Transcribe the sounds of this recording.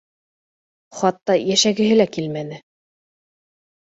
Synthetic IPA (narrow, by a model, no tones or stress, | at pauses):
χɑt̪ːɑjæʃæɡɘ̆ɦɘlækilmænɘ